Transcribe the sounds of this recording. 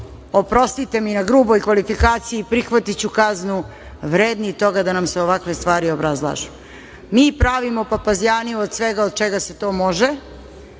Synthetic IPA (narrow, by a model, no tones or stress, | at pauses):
o̞pɾo̞st̪it̪e̞minaɡɾuːbojkʋalifikaːt̪sijiːpɾixʋat̪it͡ɕukaznu | ʋɾeːd̪nit̪o̞ɡad̪anamseo̞ʋakʋe̞st̪ʋaːɾio̞bɾazlˠa̰ːʒu | miːpɾaːʋimopapazjaːnijuod̪sʋeɡaod̪̚t͡ʃeɡase̞t̪o̞ːmo̞ʒe